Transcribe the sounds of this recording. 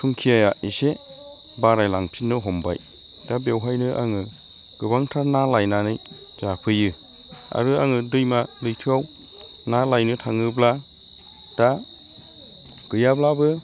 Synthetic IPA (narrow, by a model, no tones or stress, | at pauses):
tʰuŋkʰijajaise | baɾajlaŋpʰinːɯɦɔmba̰j | d̥abewɦajnɯʔa̰ŋɯ | ɡ̥ɯbaŋtʰanalajnanɯj | zapʰɯjɯ | a̰ɾɯa̰ŋɯdɯjmalɯjtʰɯaw | nalajnɯtʰaŋɯbla | d̥a | ɡ̥ɯjablabɯ